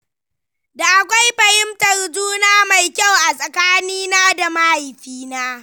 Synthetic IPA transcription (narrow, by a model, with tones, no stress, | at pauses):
da˨ʔa˨kʷa˦jɸɐ˨hɪ˦mtɐ˨rd͡ʒuː˦naː˦ma˨jkʲa˦˨wʔa˨sʼɐ˨kaː˦niː˦naː˦da˨ma˦hɪ˨ɸiː˦naː˦